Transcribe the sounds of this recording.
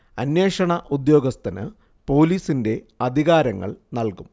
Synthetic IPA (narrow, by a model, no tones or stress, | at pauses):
ɐnjeːʂɐɳɐʔud̪jo̞ːɡɐst̪ʰɐnɨ̰ | po̞ːliːsinde̞ | ɐd̪ʱiɣaːɾɐŋːɐ̰ɭnɐlkum